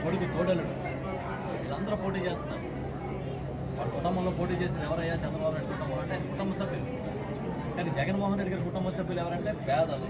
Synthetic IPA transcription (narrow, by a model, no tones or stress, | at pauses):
koɽukit̪oːɽɐluɽu | ʋiːlɐnd̪ɐɾupoːʈiːt͡ʃe̞ːst̪unːaːmu | ʋaːlːɐkuʈɐmɐnlo̞ːpo̞ːʈ̬iːt͡ʃe̞ːs̬ind̪ɛʋɐɾɐjːaːt͡ʃɛnd̪ɾɐbaːbunajɖikuʈɐmɐlɐɳʈeːnikuʈɐmbɐsɐbʱjulu | kaːnid͡ʒɛɡɐnmɔːɦɐnɾeɖiɡaːɾikuʈɐmbɐsɐbʱjulɛʋɐɾɐɳʈe̞ːbɛːd̪ɐlu